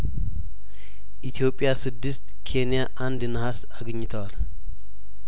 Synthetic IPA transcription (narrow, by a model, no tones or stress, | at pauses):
ʔit̪ʰijo̞pʼːjasɨd̪ːɨst̪kʰe̞nijaʔand̪nəhasaɡəɲːɪt̪ʰəwal